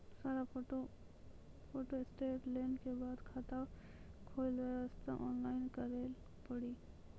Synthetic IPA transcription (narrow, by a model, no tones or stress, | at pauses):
saːɾapoʈo | pʰoːʈoɪsʈeːʈleːnkebaːd̪kʰat̪akʰoːlʋeəst̪a̰ʔɔːnlaːɪnkəɾel | pəɽiː